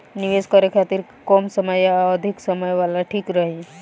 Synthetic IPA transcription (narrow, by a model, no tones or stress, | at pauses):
niʋeskəɾekʰat̪iɾ | kɔmsəməjəd̪ʱiksəməjʋalaʈʰikɾəɦe